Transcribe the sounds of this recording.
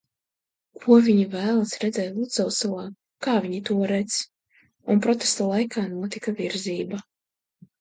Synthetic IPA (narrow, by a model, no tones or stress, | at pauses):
kʰuɔvʲiɲivæːlˠasɾɛd̪zɛːt̪lˠut̪zaw̪salˠaː | kaːvʲiɲit̪uɔɾɛt̪s | unpɾɔt̪est̪alˠajkʰaːnuɔt̪ikaviɾziːba